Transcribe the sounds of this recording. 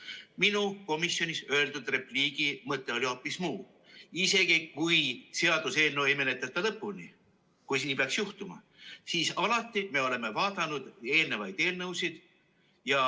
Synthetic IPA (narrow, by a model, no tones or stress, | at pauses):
minuko̞misjo̞nʲisø̞e̞ld̪̥ud̪re̞pliːɡ̥imɤt̪ˑːe̞o̞lʲio̞pːˑismuː | ise̞ɡ̥ikujse̞ɑd̪̥use̞ːlne̞wemenet̪ːˑet̪ːˑɑlɤpːˑuni | kujsinːipeɑksjuht̪umɑ̰ | siːsɑlɑt̪ːˑime̞o̞le̞me̞vɑːd̪ɑnud̪̥e̞ːlnevɑjd̪̥e̞ːlnɤwsid̪̥ | jɑ